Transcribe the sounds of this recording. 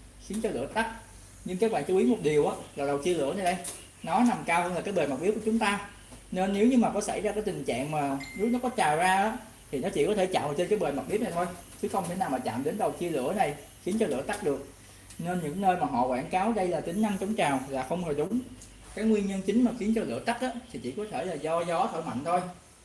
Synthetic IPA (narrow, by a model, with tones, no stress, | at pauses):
xi˨˦ənt͡ɕɔ˧lɨ̰˧˥ət̪a˦˥k̚ | ɲɨ˧ŋkaː˦˥k̚ɓa̰ː˧˨nt͡ɕu˨˦i˨˦mo˨˩t̚ɗi˨˩əwʔaː˨˦laː˨˩ɗə˨˩wt͡ɕ̪ʰi˧əlɨ̰˧˥əna˨˩jɗə˧j | nɔ˨˦na˨˩mkaː˧whəː˧ŋlaː˨˩kaː˨˦jɓe˨˩mə˨˩t̚ɓi˦˥t̚ku˧˩t͡ɕʊ˨˦ŋ͡mt̪aː˧ | ne˧nːe˨˦wɲɨ˧maː˨˩kɔ˨˦sa̰˧˩jzaː˧kaː˨˦jt̪ï˨˩ŋ̟t͡ɕa̰ː˧˨ŋmaː˨˩nu˨˦˥nɔ˨˦kɔ˨˦t͡ɕaː˨˩wzaː˧ʔaː˨˦˥ | t̪ʰi˨˩nɔ˨˦t͡ɕḭ˧˨kɔ˨˦t̪ʰe˧˩t͡ɕa̰ː˧˨mʔt͡ɕe˧nkaː˨˦jɓe˨˩mə˨˩t̚ɓi˦˥p̚na˨˩t̪ʰo˧jt͡ɕɨ˨˦xə˧wŋ͡m̪ʰe˦naː˨˩wmaː˨˩t͡ɕa̰ː˧˨mɗe˨˦nɗə˨˩wt̪ʰi˧əlɨ̰˧˥əna˨˩jxi˨˦ənt͡ɕɔ˧lɨ̰˧˩ət̪a˦˥k̚ɗɨ˨˩ək̚ | ne˧nɲɨ̰˧˥ŋnəː˧jmaː˨˩ɦɔ̰˧˨kwaː˧˩nkaː˨˦wɗə˧jlaː˨˩t̪ï˨˦ŋ̟na˧nt͡ɕɔ˨˦ŋ͡mt͡ɕaː˨˩wlaː˨˩xə˧wŋ͡mhəː˨˩jɗʊ˨˦ŋ͡m | kaː˨˦˥kŋwi˧ənɲə˧nt͡ɕï˨˦ŋ̟maː˨˩xi˨˦ənt͡ɕɔ˧lɨ̰˧˨ət̪a˦˥k̚ʔaː˨˦t̪ʰi˨˩t͡ɕḭ˧˨kɔ˨˦t̪ʰe˧˩laː˨˩zɔ˧zɔ˨˦t̪ʰə̰ː˧˩jma̰˧˨jŋ̟t̪ʰo˧j